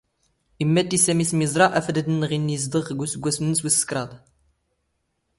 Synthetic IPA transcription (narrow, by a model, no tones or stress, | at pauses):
imːæt̪ːisæmiθmizˤɾˤɑʔæfd̪əd̪ənːəʁinːjəz̬d̪ˤəʁəɡʷːusəɡʷːæsmnːəswisə̥kɾˤɑd̪ˤ